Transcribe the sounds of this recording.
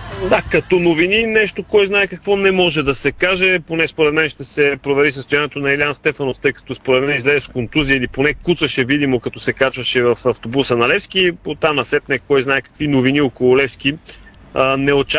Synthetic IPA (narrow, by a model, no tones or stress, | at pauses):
d̪akɐt̪ɔnovininɛʃt̪okɔjznaɛkɐkvɔnɛmɔʒɛd̪ɐsɛkaʒɛponɛspoɾɛt̪mɛnʃt̪ɛsɛpɾovɛɾisəst̪ojaniɛt̪onɐɛlianst̪ɛfɐnoft̪ɤjkɐ̥t̪ɔspoɾɛt̪mɛnizlɛzɛskont̪uziəiliponɛkut̪svɐʃɛvid̪imokɐt̪ɔsɛkat͡ʃvɐʃɛvɐfɐft̪obusənɐlɛfsk̟ipot̪anɐsɛt̪nɛkɔjznaɛkɐ̥kvinoviniokolˠolɛfskʲi | ənɛot͡ʃa